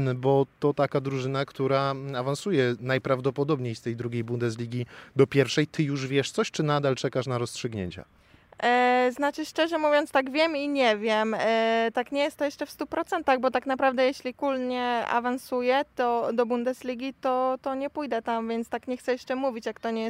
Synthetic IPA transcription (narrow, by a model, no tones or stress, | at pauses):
bɔt̪ɔt̪akad̪ɾuʐɘnakt̪uɾaavansujɛnajpɾavd̪ɔpɔd̪ɔbɲejst̪ɛjd̪ɾuɡʲejbund̪ɛs̬lʲiɡʲid̪ɔpʲjɛɾfʂɛjt̪ʰɘjuʐvʲjɛʂt̪sɔɕt͡ʂɘnad̪alt͡ʂɛkaʂnaɾɔstʂɘɡɲḛɲt͡ɕa̰ | znat͡ʂɘʂt͡ʂɛʐɛmuvʲjɔnt̪t̪aɡvʲjɛmiɲɛvʲjɛmt̪akɲɛjɛst̪ːɔjɛʂt͡ʂɛfst̪upɾɔt̪sɛnt̪aɣbɔt̪aknapɾavd̪ɛjɛɕlʲikulɲɛa̰vansujɛt̪ɔd̪ɔbund̪ɛzlʲiɡʲit̪ɔt̪ɔɲɛpujd̪ɛt̪amvʲjɛnt̪st̪akɲɛxt̪sɛjɛʂt͡ʂɛmuvʲit͡ɕjakt̪ɔɲɛj